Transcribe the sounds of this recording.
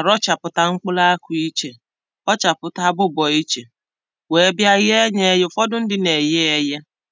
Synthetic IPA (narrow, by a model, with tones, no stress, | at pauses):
a˨ɾɔ˦t͡ʃa˨pʊ˨ta˨ŋ͡m̩˦k͡pʊ˦la˦kʊ˨i˦t͡ʃe˨ | ɔ˦t͡ʃa˨pʊ˨ta˦bʊ˦bɔ˨i˦t͡ʃe˨ | we˨˦bja˦ɣe˦ɲe˦jʊ˦fɔ˦dʊ˦n̩˦dɪ˦ne˨je˦e˨je˦